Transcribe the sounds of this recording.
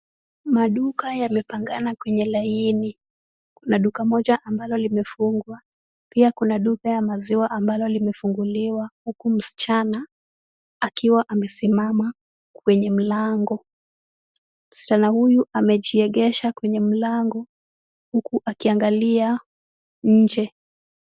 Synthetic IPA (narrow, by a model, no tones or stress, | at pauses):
maɗukajamɛpaŋɡanakwɛɲɛlaini | kunaɗukamɔʄaʔambalɔlimɛfuŋɡwa | piakunaɗukajamaziwaʔambalɔlimɛfuŋɡuliwahukum̩si̥t͡ʃana | akiwaʔamɛsimama | kwɛɲɛm̩laŋɡɔ | m̩si̥t͡ʃanahujuʔamɛʄiɛɠɛʃakwɛɲɛm̩laŋɡɔ | hukuʔakiaŋɡalia | ɲ̩d͡ʒɛ